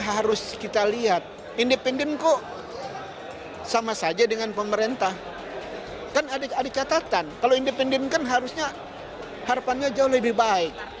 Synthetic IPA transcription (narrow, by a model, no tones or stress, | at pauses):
ɦaɾʊskit̪aliɦat̪̚ | indepɛndɛnko | samasad͡ʒadəŋanpəməɾent̪ah | kanadaadat͡ʃat̪at̪ankaloindepɛndɛnkanɦaɾʊsɲa | haɾapanɲad͡ʒaʊhləbɪhbaɪk̚